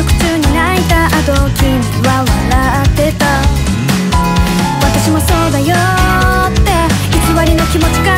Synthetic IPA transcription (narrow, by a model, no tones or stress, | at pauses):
okɯ̟̥t͡ɕɨːɲ̟inait̪aʔat̪o̞kʲi | βaβaɾaːt̪ːe̞t̪a | βat̪aɕimo̞so̞ːd̪ajo | t̪ːe̞ | çikiβaɾʲino̞kʲimo̞t͡ɕi̥ka